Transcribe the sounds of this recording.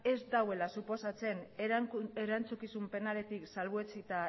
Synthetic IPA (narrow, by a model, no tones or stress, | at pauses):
e̞zd̪awe̞lasupo̞sat͡se̞n | eɾant͡sukisumpe̞nale̞t̪iksalβuet͡sit̪a